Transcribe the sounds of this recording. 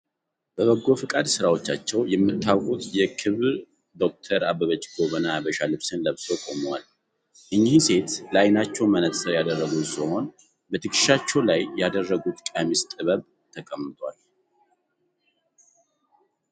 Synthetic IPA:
b̥əβəɡːo̞fɨkʼad̪sɨɾawo̞t͡ʃːat͡ʃːɛwjɛmːɨt̪ːawkʼut̪jɛkʰɨβ | d̪o̞k̚t̪ʰəɾabəβət͡ʃːɡo̞βənabəʃalɨβsɨnləβsokʼomwal | ʔɨɲːihse̞t̪lajnat͡ʃːɛwmənət̪səɾjad̪ərːəɡut̪sɨho̞n | bət̪ʰɨkʰʼɨ̥ʃat͡ʃːɛwlajːad̪ərːəɡut̪kʼamist̪ʼɨβəβ | t̪ʰəkʼəmːɨt̪ʰʼwal

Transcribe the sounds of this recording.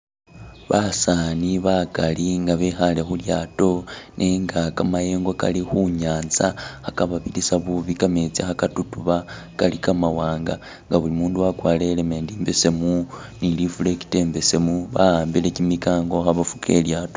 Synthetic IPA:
βasaniβakaliŋɡaβexale̞xuljaːto̞nʔeŋɡakamajeːŋɡoka̰lixuɲaːnzahakaβaβilisaβuβikamet͡sexakatutuβa | kalikamawaːŋɡa | ŋɡaβulimuːnduwakwaːle̞lemeːndiːmbe̞se̞mu | nilifuleki̥te̞ːmbe̞se̞muβahaːmbile̞cimikaːŋɡo̞xaβafu̥kʰe̞̰ljaːto

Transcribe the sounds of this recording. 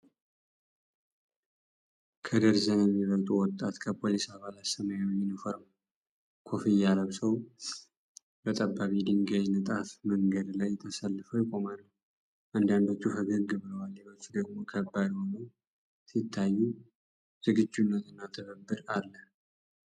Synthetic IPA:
kʰəd̪əɾzənɛmːiβət̪ʼuwɔt̪ʼːat̪kʰəpʰo̞lisaβalat̪səmajwɛmːinɨfəɾəm | kʰo̞fijaləβsəw | bət̪ʼəbːaβid̪iŋɡajnɨt̪ʼafməŋɡəd̪lajt̪ʰəsəlːɨfəwjɪkʼo̞malːə | ʔand̪and̪ot͡ʃːufəɡəɾɡɨβəwaljɛβət͡ʃ̪ːud̪əɡmo̞kʰəbːad̪wonəw | sit̪ʰːajːu | z̥ɨɡɨd͡ʒːunːət̪ɨnːat̪ʰəβəbːɨɾalːə

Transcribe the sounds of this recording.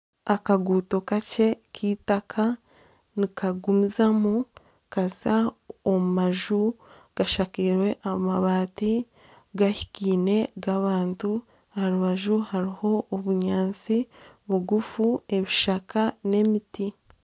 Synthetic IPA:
akaɡuːto̞kace̞kʰiːtakʰa | nikaɡumizamu | kazaomumaʒu | ɡ̥aʃakiɾwe̞ʔamaβaːti | ɡaçi̥kiːne̞ɡaβaːntu | haɾuβaʒuhaɾiho̞ːβuɲaːnt͡siβuɡufue̞βiʃakane̞miti

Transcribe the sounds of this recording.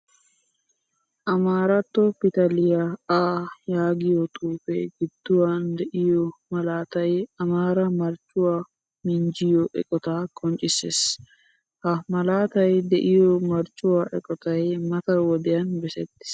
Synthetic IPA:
ʔɐmaːɾɐt̪ːɔpɪt̪ɐlɪjaaːjaːɡɪjɔt̪ʼuːfḛɡɪd̪̥ːʊwaːnd̪ɛʔɪjɔmɐlaːt̪ɐjɐmaːɾɐmɐɾt͡ʃʼʊwaː | mɪnd͡ʒɪjɔʔɛ̰kʼɔt̪aːkʰʼɔnt͡ʃʼːɪses | hɐmɐlaːt̪ɐjd̪ɛʔɪjɔmɐɾt͡ʃʼːʊwaːʔɛkʼɔt̪ɐjmɐt̪ɐwɔd̪ɪjɐnbɛsɛt̪ːɪ̥s

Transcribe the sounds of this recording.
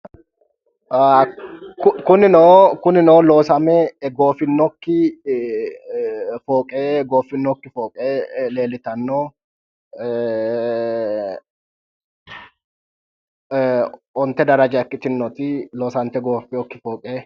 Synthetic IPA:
kʊkʊnɪnokʊnɪnoːlo̞ːsɐmɛɡo̞ːfɪnːɔkːɪ | foːkʼeːɡoːfɪnːɔkːɪfoːkʼeːle̞ːlɪt̪ɐnːoː | ɔnt̪ːɛd̪ɐɾɐd͡ʒɐɛkːɪt̪ɪnːɔt̪ɪlo̞ːsɐnt̪ɛɡoːfɪɔkːɪfoːkʼeː

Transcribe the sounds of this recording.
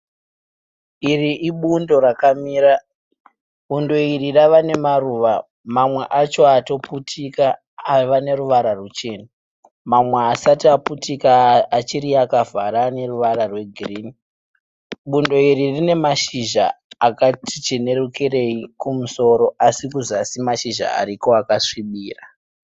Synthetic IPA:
iriʔiɓundo̞ɾakamiːɾa | ɓundo̞iriraʋane̞maruːʋa | mamwe̞ʔat͡ʃo̞ato̞putʰikaː | ʋane̞ruʋaɾarut͡ʃe̞ːna | mamwe̞asatiaputikaːt͡ʃiɾiakavaɾane̞ruʋaɾarwe̞ɡʱiriːni | ɓundo̞iririne̞maʃiʒa̰akatit͡ʃine̞rukire̞ikumuso̞ɾo̞ʔasikuzasimaʃiʒa̰a̰ɾiko̞akaʂiɓiːra

